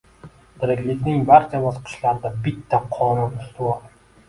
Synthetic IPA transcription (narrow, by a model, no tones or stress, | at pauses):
d̪̥ɪɾɪkʲlɪkʲnɪŋbaɾt͡ʃʰabɒzqʰɨ̥ʃlaɾɪd̪abɪt̪ʰːaqʰɒnʊnʊst̪ɪwɒl